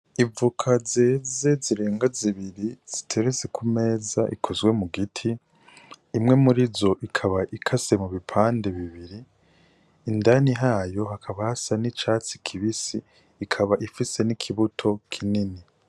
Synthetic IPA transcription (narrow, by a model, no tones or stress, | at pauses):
ivukʰaze̞ːze̞ziɾe̞ːŋɡaziβiɾiz̥itʰe̞ɾezekʰume̞ːzaʔḭkʰo̞zwe̞muɡitʰiː | mŋe̞muɾizo̞ʔikʰaβaʔikʰase̞muβipʰaːnde̞βiβiɾiː | ndaniɦaːjo̞hakʰaβahasanit͡ʃaːt͡si̥kʰiβisiː | kʰaβaʔifise̞nikʰiβutʰo̞kʰinini